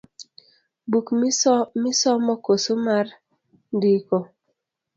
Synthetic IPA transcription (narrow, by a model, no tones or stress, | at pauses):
bukmsmɪsɔmɔkosomar | ndiko